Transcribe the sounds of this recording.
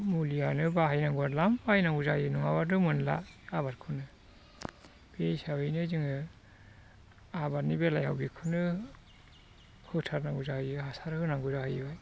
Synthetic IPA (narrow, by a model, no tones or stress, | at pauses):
mulijanɯbaɦajnaŋɡuaɾlambahjnaŋɡuzajɯnuŋabadɯmɯnla̰abaɾkʰɯnɯ | b̥esawɯjnɯzɯŋɯ | abatnibelajha̰wbikʰɯnɯ | hɯtʰaɾnaŋɡuzahɯjɯɦasaɾhɯnaŋɡuzahɯjbaj